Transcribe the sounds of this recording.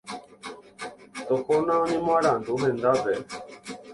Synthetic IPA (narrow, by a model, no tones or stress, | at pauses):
t̪oːkoːnãːʊɲĩːmaːɽãːd̪uːɦẽːnd̪aːbeː